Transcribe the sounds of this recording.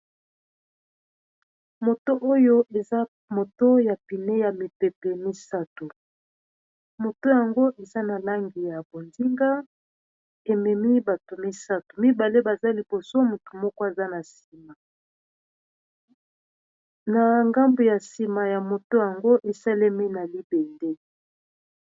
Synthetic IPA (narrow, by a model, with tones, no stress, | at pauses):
mo˨to˦ʔo˦jo˦ʔe˨za˦ | mo˨to˦ja˨pi˨ne˦ja˨mi˨pe˨pɛ˨mi˦sa˦to˨ | mo˨to˦ja˨ŋɡo˦ʔe˨za˦na˨la˦ŋɡi˨ja˨bo˨ndi˦ŋɡa˦ | e˨mɛ˨mi˦ba˨to˨mi˦sa˦to˨mi˦ba˨le˦ba˨za˦li˨bo˨so˦mu˨to˨mɔ˦kɔ˦e˨za˦na˨si˨ma˨ | na˨ŋɡa˦mbo˨ja˨si˨ma˨ja˨mo˨to˦ja˨ŋɡo˦ʔe˨sa˦le˦mi˦na˨li˦be˨nde˦